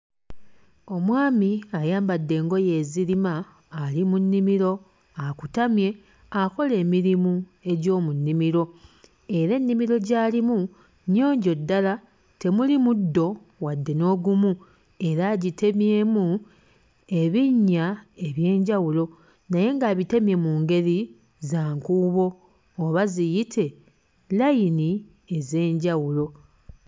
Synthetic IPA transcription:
o̞mwaːmiajaːmbadːe̞ːŋɡo̞je̞ziɾimaː | limunːimiɾo̞ | akutamje̞ | ako̞le̞ːmiɾimue̞ɟo̞ːmunːimiɾo̞ | eɾe̞nːimiɾo̞ɟaːlimu | no̞ːɲɟo̞dːala | te̞mulimudːo̞ | wadːe̞no̞ːɡumu | e̞ɾaɟite̞mje̞ːmu | e̞βiɲːae̞βje̞ːɲɟawulo̞ | naje̞ŋɡaβite̞mje̞muːŋɡe̞ɾi | zaːŋkuːβo̞ː | βazijitʰe̞ | lajini | e̞ze̞ːɲɟawulo̞

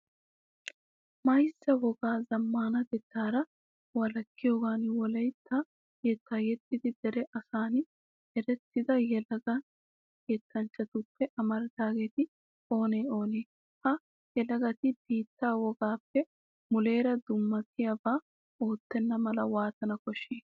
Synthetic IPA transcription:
mɐjsːɐwɔɡaːzɐmːaːnɐd̪ɛt̪ːaːɾɐ | wɐlɐkːɪjo̞ːɡaːnwɔlɐjt̪ʰːɐ | jɛt̪ːaːjɛt̪ːɪd̪ɪd̪ɛɾɛʔɐsaːn | ɛɾɛt̪ːɪd̪ɐjɛlɐɡɐ | kɛːt̪ːɐnt͡ʃːɐt̪ʊpːɛʔɐmɐɾɐt̪aːɡe̞ːt̪ɪ | o̞ːneːo̞ːneː | hɐ | jɛlɐɡɐt̪ɪb̥iːt̪ːaːwɔɡaːpːɛ | mʊle̞ːɾɐd̪ʊmːɐt̪ʰːɪjɐbaː | o̞ːt̪ːɛnːɐmɐlɐwaːt̪ɐnɐkɔʃːeː

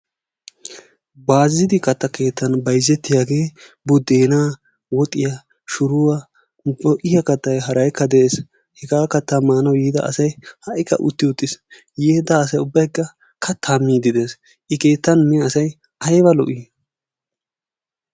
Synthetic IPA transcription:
baːzːɪd̪ɪkɐt̪ːɐke̞ːt̪ːɐnbɐjzːɛt̪ːɪjaːɡe̞ː | bʊd̪ːeːnaː | wɔt̪ʼːɪjɐ | ʃʊɾʊwɐ | ɔʔɪjɐkɐt̪ːɐjɦɐɾɐjkʰːɐd̪ɛʔes | hɛɡaːkɐt̪ːɐmaːnɐwjiːd̪ɐ̰ɐ̰sɐjhɐʔɪkːɐ̰ʔʊt̪ːɪʊt̪ʼːɪs | jeːd̪ɐːs̬ɐjʊbːɐjkːɐ | kʰɐt̪ʰːaːmːiːd̪ɪd̪eːs | ʔɪke̞ːt̪ːɐnnɛɐsɐj | ʔɐjbɐlɔ̰ʔi

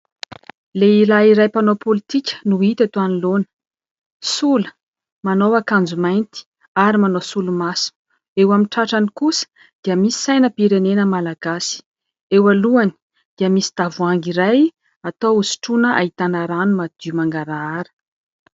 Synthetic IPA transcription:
leilaiɾajpanopolit̪ikʲə̥nuit̪at̪oanilonə̥ | sulə̥ | manowakand͡zumajnt̪i̥ | aɾimanosulumasu̥ | ewamiʈ͡ʂaʈ͡ʂanikusə̥ | d̪̥iəmisi̥sajnəpiɾenenəmalaɡasi̥ | ewaluani̥ | d̪̥iəmisi̥d̪̥avuaŋɡiɾaj | at̪owusi̥ʈ͡ʂunəʔa̰it̪anaɾanumad̪̥iumaŋɡaɾaaɾə̥

